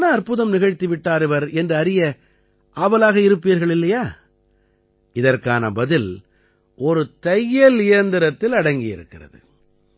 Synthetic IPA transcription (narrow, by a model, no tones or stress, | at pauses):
nɐːɾpɯðɐmnɪɣɐɻt̪iʋɪʈːaːɾɪʋɐɾɛndrɯɐɾɪjɐ | ʔaːbɐlaːɣɐɪɾɯpːijɾɣɐɭɪlːɐjaː | ɪðɐrkaːnɐ̰bɐðɪl | ʔɔɾɯt̪ɐjːɐlɪjɐnd̪ɪɾɐt̪ːɪlɐɽɐŋɡɪjɪ̰ɾɯ̰kːɪrɐ̰ðɯ̰